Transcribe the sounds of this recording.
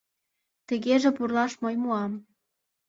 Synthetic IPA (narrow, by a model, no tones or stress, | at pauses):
t̪ə̆ɣeʒĕpurlɑʃmɤjmuɑm